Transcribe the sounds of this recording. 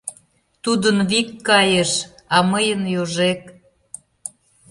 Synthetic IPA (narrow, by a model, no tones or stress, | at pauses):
t̪ud̪ənβikːɑjəʃɑməjənjoʒek